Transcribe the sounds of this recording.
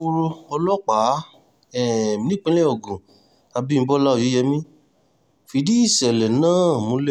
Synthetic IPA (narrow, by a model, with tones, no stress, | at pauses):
u˧ɾo˧ɔ˧lɔ˦k͡pa˨˦ | ɛ̃˨˦nĩ˦k͡pẽ˦lɛ˦o˨ɡũ˨ | a˧bi˦m̩˧˦bɔ˦la˦o˧˨jo˨˦jɛ˧mĩ˦ | fi˨˦di˦i˦˨sɛ˨lɛ˨nãː˦˨mũ˨˧˦le˦